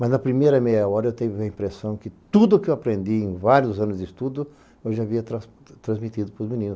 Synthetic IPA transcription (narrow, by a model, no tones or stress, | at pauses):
mɐznɐpɾimejɾɐmejɐɔɾɐewt̪ẽjʊɐĩpɾesɐ̃w̃kɪt̪ud̪ʊkɪewapɾẽnd̪iẽj̃vaɾjʊzɐ̃nʊzd̪ɪst̪ud̪ʊ | ewʒaːviɐt̪ɾɐ̃ | t̪ɾɐ̃zmit̪id̪ʊpɾʊzmĩnĩnʊ